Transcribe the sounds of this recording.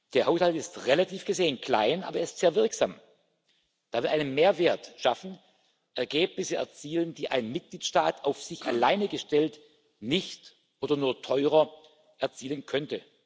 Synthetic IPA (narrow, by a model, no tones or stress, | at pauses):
d̥eːɐhaʊshaltɪstʁelatʰiːfɡ̥əzeːənkl̥a̰ɪnʔaːbɐeɐɪstz̥eːɐvɪɐkz̥aːm | d̥aːvɪlʔaɪnənmeːɐveːɐtʃafn̩ | ʔɛɐɡeːp̚nɪsəɛ̰ɐt͡siːlənd̥iːʔa̰ɪnmɪt̚ɡ̥liːtʃtaːtaʊfz̥ɪça̰laɪnəɡəʃtɛlt | nɪçt | ʔoːdɐnuːɐtʰɔʏʁɐ | ʔɛɐt͡siːlənkʰœntə